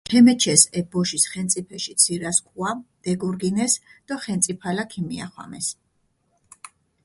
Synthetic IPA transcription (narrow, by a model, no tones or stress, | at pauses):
ɛmɛt͡ʃʰɛsɛbɔʃisχɛnt̪sʼipʰɛʃit̪sʰiɾaskʼʰwad̪̥ɛɡuɾɡinɛsd̪̥aχɛnt̪sʼipʰalakʰimia̰χwa̰mɛ̰s